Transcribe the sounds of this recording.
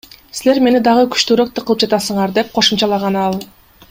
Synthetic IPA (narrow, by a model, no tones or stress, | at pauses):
sile̞ɾme̞nid̪ɑʁɯkʰy̥ʃt̪øɾøk̚t̪eqʰɯlˠɯp̚d͡ʒɑt̪ɑsɯɴɑɾd̪e̞p̚qʰo̞ʃumt͡ʃɑlˠɑʁɑnɑlˠ